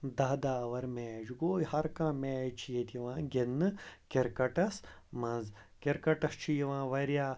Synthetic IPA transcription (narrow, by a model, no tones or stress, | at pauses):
d̪ɐːd̪aːʋɐɾmɛːd͡ʒɡoːihɐɾkãːmɛːjt͡ʃʰijet̪iʋãːɡenːɨkeɾkɐʈɐsmɐnz | keɾkɐʈɐst͡ʃʰijiʋãːʋɐɾjaː